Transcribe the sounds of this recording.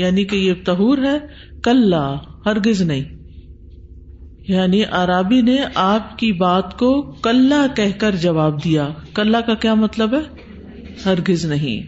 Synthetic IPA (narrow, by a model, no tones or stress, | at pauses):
jaːnikejet̪ɐɦuːɾɦɛː | kɐlːahɐɾɡɪznɐɦĩː | jaːniʔaːɾaːbineʔaːp̚kibaːt̪kokɐlːakɛɦkɐɾd͡ʒɐʋaːb̚d̪ijaːkɐlːakakjaːmɐt̪ləbɦɛː | hɐɾɡɪznɐɦḭ̃ː